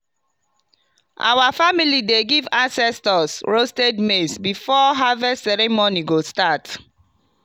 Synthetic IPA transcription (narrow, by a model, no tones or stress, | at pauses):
ʔa̰wafamilideɡivãnsɛstɔsɹostedmesbifɔɦavɛsɛɾẽmɔniɡostat